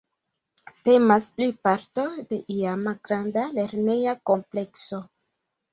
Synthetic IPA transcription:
te̞masplipaɾto̞de̞ʔiamalɡɾandale̞ɾne̞jako̞mple̞kso̞

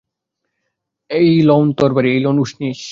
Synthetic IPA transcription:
ejlɔwnt̪ɔɾbaɾiejlɔnuʃniʃ

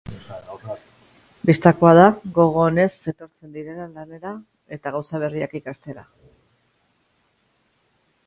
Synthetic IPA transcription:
bist̪ako̞að̞aɣo̞ɣ̞o̞ːne̞se̞t̪o̞ɾt͡se̞nd̪iɾe̞lalane̞ɾa | e̞t̪aɣawsaβ̞e̞riakikast̪e̞ɾa̰

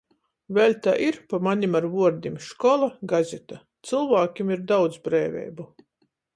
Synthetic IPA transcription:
vɛlʲt̪a̰ʔiɾpamanʲimaɾvuɔɾd̪imʃkɔlˠaɡazʲɛt̪a | t̪sɨlˠvaːkʲimiɾd̪awt̪zbɾɛːvʲɛ̰jbu

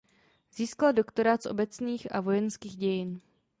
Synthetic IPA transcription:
ziːskaldo̞kt̪o̞ɾat̪sʔo̞̰bɛt͡sniːxʔa̰vo̞jɛnskiːɣɟɛjɪn

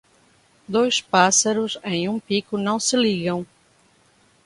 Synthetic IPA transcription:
d̪ojʃpasɐɾʊzẽj̃ũpikʊnɐ̃w̃sɪliɣɐ̃w̃

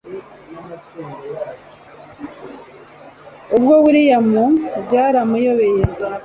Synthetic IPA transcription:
ubɡoβuɾijamubɟaːɾamujo̞βejeza

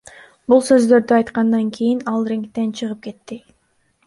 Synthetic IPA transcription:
bulˠsø̞zd̪ø̞ɾd̪yɑjt̪qɑnd̪ɑŋkʰijinɑlˠrʲeŋkt̪e̞nt͡ʃʰɯʁɯp̚ke̞t̪ːɪ

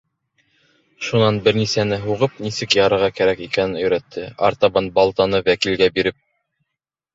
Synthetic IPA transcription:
ʃunɑnbɘ̆ɾnisænɘɦuʁɤp̚nisɘkjɑɾɤ̆ɾʁɑkæɾækikænɘnɵ̆jɾæt̪ʰːɘɑ̰ɾt̪ɑβɑnbɑlˠt̪ɑnɤwækilɡæbiɾɘp̚

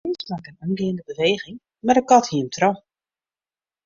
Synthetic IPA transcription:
ɪnsmakənunɡɪːndəbəʋeːɣɪŋ | mardəkɔthiəmtʰrɔ

